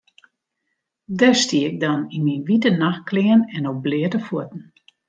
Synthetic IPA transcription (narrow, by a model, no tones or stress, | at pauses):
dəstiɪk̚dɔninminʋitənaxklɪənɛnok̚blɪətəfuətn̩